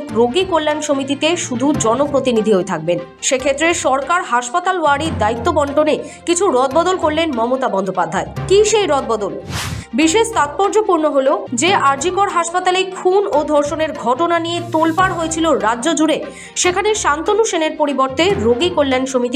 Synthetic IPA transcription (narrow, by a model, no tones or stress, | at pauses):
k̪ɾoɡikolːanʃomit̪it̪eʃud̪ʱud͡ʑɔnopɾot̪inid̪ʱiɦoet̪ʰak̚ben | ʃekʰet̪ːɾeʃɔɾkaɾɦaʃpat̪alowaɽid̪ait̪ːobɔɳʈone | kit͡ɕʰuɾɔd̪̚bɔd̪olkoɾlenmɔmot̪abɔnd̪ʱopad̪ʱːaekiʃejɾɔd̪̚bɔd̪olbiʃeʃt̪at̪̚pɔɾd͡ʑopuɾnoɦolod͡ʑeʔaɾd͡ʑikoɽɦaʃpat̪alekʰunod̪ʱɔɾʃoneɾɡʱɔʈonanijet̪olpaɾɦojet͡ɕʰiloɾadːʑod͡ʑuɾe | ʃekʰaneʃant̪onuʃeneɾpoɾiboɾt̪eɾoɡikolːenʃomit̪i